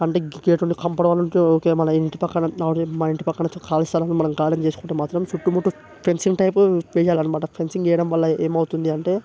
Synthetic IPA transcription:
ɐɳʈeːɡeːʈuɳʈikɐmpɐɽɐʋaːluɳʈeːoːkeːmɐnɐiɳʈipɐkːɐɳɐɐɽmɐiɳʈipɐkːɐɳɐt͡ʃkaːlist̪aːlɐnːmɐnɐmɡaːlɐnt͡ʃeːsu̥kuɳʈeːmaːt̪ɾɐmt͡ʃuʈːumuʈːu | pʰensiŋɡʈɐjpuʋeːd͡ʒaːlɐɳɐmaʈɐpʰensiŋɡɛjɐɽɐmʋɐɭːɐeːmɐwut̪und̪iɐɳʈe̞ː

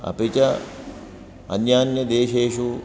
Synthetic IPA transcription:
ɐ̰pit͡ʃɐ | ɐ̰njaːnjɐd̪eːʃeːʃu

